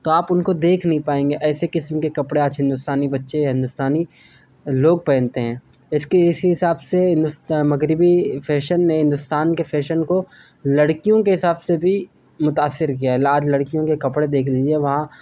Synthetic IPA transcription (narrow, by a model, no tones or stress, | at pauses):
t̪oaːpʊnkod̪eːkʰnɐɦĩpaːẽːŋɡeʔɛːsekɪsmkekɐpɽeaːd͡ʒɦɪ̃nd̪ʊst̪aːnibɐtːʃeɦɪ̃nd̪ʊst̪aːni | loːɡ̚pɛ̃ːɪnt̪eɦɛ̃ːɪskeɪsiɦɪsaːbseɦɪ̃nd̪ʊsmɐɣɾɪbifʰɛːʃənːeɦɪ̃nd̪ʊst̪aːnkefʰɛːʃənko | lɐɽkijõkeɦɪsaːbsebʱi | mʊt̪aːsːɪɾkijaɦɛlaːd͡ʒlɐɽkijõkekɐpɽed̪eːkʰliːd͡ʒieʋɐɦã